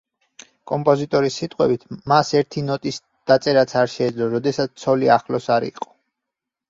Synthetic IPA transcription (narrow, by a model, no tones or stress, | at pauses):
kʼɔmpʼɔzit̪ʼɔɾisːit̪ʼqʼwɛbit̪ʰmasɛɾt̪ʰinɔt̪ʼis | d̪̥at̪sʼɛɾat̪sʰaɾʃɛːd̪zlɔɾɔd̪ɛsat̪s̚ʰt̪sʰɔliaχlɔsaɾḭqʼɔ̥